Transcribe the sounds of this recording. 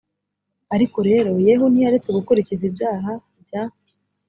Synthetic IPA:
aɾiko̞ɾe̞ːɾo̞je̞ɦunijaɾet͡se̞ɡukuɾicizibjaːɦa | bjaːe

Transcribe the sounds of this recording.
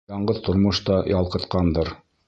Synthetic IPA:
ɑɴɢɤðt̪ŏɾmŏʃt̪ɑjɑlˠqɤ̆t̪qɑnd̪ɤɾ

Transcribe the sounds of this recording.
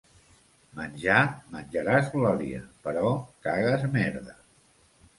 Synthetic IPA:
mənʲʒamənʲʒəɾazɣlɔɾiə̰pəɾɔkaɣəzmɛɾðə

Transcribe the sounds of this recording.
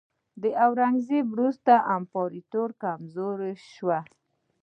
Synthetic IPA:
d̪əʔawɾaŋɡzewɾust̪aʔampɑɾit̪oɾkamzoɾʃwa

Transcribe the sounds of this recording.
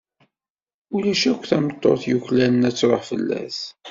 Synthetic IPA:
ulæʃækʷθæmət̪ˤːo̰θjuçlænənæt͡sːɾˤoħfəlːæ̰s

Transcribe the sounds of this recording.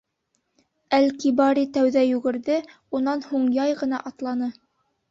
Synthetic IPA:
ælkibɑɾit̪æwðæjʉɡɘ̆ɾðɘ | unɑnhuɴjɑjʁɤ̆n̪ɑʔɑt̪lˠɑnɤ

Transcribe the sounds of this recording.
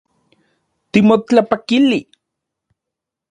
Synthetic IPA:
t̪imot͡ɬapakili

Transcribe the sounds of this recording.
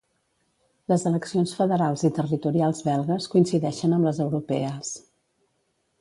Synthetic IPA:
ləzələksionsfəðəɾalˠzit̪ərit̪uɾialˠzβɛlˠɣəskuinsiðɛʃənəmləzəwɾupɛəs

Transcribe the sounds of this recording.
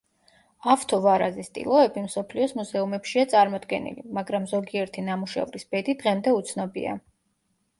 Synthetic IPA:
aft̪ʰɔvaɾazɛst̪ʼḭlˠɔɛbimsɔpʰliɔsmuzɛumɛpʃiat̪sʼaɾmɔd̪ɡɛ̰nḭlḭmaɡɾamzɔɡiɛɾt̪ʰinamuʃɛ̰vɾisb̥ɛd̪id̪̥ʁɛmd̪ɛut̪sʰnɔbḭa̰

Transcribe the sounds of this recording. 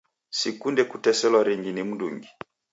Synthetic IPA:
sikundɛkutɛsɛlwaɾiŋɡinim̩nduŋɡi

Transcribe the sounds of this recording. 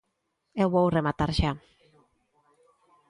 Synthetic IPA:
ewβowremat̪aɾʃa

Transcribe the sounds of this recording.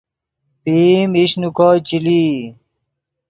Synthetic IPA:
piːmiɕnukoːt͡ɕili

